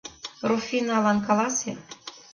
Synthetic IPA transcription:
rufinɑlɑnkɑlɑse

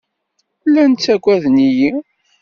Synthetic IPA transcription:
lːænt͡sːækʷːæðniji

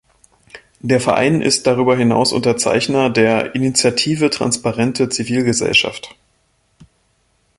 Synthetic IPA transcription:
d̥eːɐfɛɐʔa̰ɪnʔɪ̰st̚d̥aʁ̞yːbɐɦɪna̰ʊsʔʊ̰ntɐt͡sa̰ɪçnɐdeːɐʔinit͡sjatʰiːvətʁ̥a̰nspaʁɛntʰət͡siviːlɡəzɛ̰lʃa̰ft

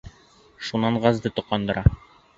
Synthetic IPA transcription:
ʃunɑɴʁɑzd̪ɤt̪ŏqːɑnd̪ɤ̆ɾʔɑ

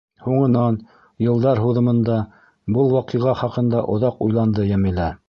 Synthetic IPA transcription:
huɴɤ̆nɑn | jɤ̆lˠd̪ɑɾɦuðɤ̆mɤ̆nd̪ɑ | bɤlˠwɑqiʁɑχɑqɤ̆nd̪ɑʔŏðɑqujlˠɑnd̪ɤjæmɘ̆læ

